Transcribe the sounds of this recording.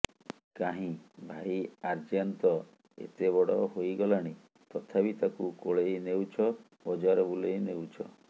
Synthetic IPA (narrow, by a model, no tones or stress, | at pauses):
kaɦĩbʱaiaɾd͡ʒant̪ɔ | ḛt̪eβɔɽɔɦojɡɔlaɽ̃i | t̪ɔt̪ʰabit̪akukoɭejnewt͡ʃʰɔ | bɔd͡ʒaɾɔbulejnewt͡ʃʰɔ̰